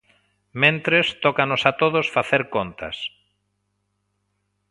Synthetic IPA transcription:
mẽnt̪ɾest̪ɔkanosat̪oðosfaθeɾkont̪ɐ̰s

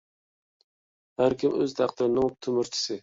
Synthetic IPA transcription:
hæɾkʲɪmøzt̪ʰæqt̪ɪɾɪnɪŋt̪ʰʊmɪɾt͡ʃʰɪ̥sɪ

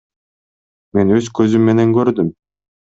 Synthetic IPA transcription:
me̞nøzkøzymːe̞neŋkøɾd̪ym

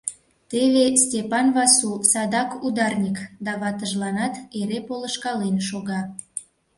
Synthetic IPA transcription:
t̪eβestʲepɑnβɑsusɑd̪ɑkud̪ɑrnʲikd̪ɑβɑt̪əʒlɑnɑt̪eɾepoləʃkɑlenʃoɣɑ

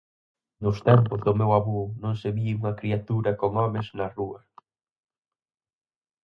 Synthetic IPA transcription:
nʊst̪ɛmpʊzðʊmewaβonõŋseβiuŋɐkɾiat̪uɾɐkoŋɔmɪznɐruɐ

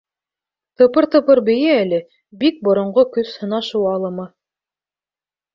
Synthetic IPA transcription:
t̪ɤ̆pɤɾt̪ɤ̆pɤɾbɘ̆jɘælɘ | bik̚bŏɾŏɴɢokɵshɤ̆nɑʃuwɑlˠɤmɤ

